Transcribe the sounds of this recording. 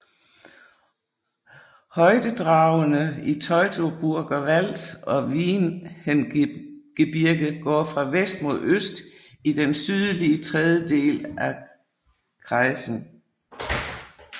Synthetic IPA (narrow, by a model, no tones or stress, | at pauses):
hɒ̽ɪd̥əd̥ʁɑ̈ʊənəit͡sʰɒ̽ɪt͡sʰo̝b̥uɐɡ̥ɐʋæl̰d̥ɒ̽ʋiːnhenɡ̥əb̥iɐɡ̥əɡ̥ɒ̰ːfʁɑ̈ʋesd̥̚mo̝ð̞̰ˠøsd̥id̥ensyð̞ˠliət͡sʰʁɛð̞ˠjəd̥e̝̰ːlæ | ɡ̥ʁɑɪsn̩